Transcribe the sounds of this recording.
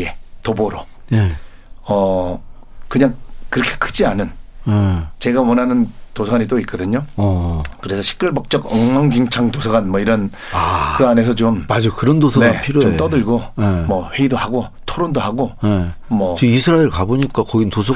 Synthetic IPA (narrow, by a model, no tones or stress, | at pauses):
etoboɾo | ne | ʌ | kɯɲaŋkɯɾʌkʰe̥kʰɯd͡ʑianɯnet͡ɕe̞ɡawʌnɦanɯntosʰʌɡaɲit͈oit̚k͈ʌdɯɲo | kɯɾe̞sʰʌɕʰi̥k̚k͈ɯɭbʌk̚t͡ɕ͈ʌɡʌŋmaŋd͡ʑiŋt͡ɕʰaŋtosʰʌɡanmʌiɾʌn | akɯane̞sʰʌt͡ɕommad͡ʑokɯɾʌndosʰʌnepʰiɾjoomt͈ʌdɯɭɡoemʌɸweidohaɡo | tʰoɾondoɦaɡonemʌt͡ɕiisʰɯɾaeɭkaboɲik͈akʌɡintosʰʌ